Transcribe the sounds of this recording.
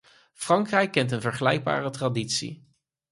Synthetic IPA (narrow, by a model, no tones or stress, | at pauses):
frɑŋkrɛjkːɛntənvəɹχəlɛjɡ̚ba̰ːrətraditsḭ